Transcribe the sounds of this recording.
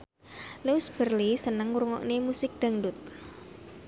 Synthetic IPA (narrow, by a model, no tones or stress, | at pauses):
leusb̥ərlisənəŋuɾuŋɔ̰ʔnemusɪk̚d̪̥aŋɖʊt̪̚